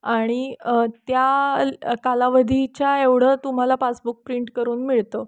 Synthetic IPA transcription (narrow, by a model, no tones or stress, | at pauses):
aɽ̃it̪ja | kalaʋəd̪ʱit͡ɕjaeʋɽ̤ət̪um̤alapasbuk̚pɾiɳʈkəɾuːnmiɭt̪o